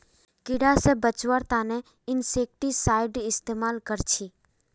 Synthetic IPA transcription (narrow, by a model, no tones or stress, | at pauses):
kɪɽasebət͡ʃʋəɾt̪aːnɛ | ɪnseːk̚ʈisaːɪɖɪst̪eːmaːlkəɾt͡ʃʰiː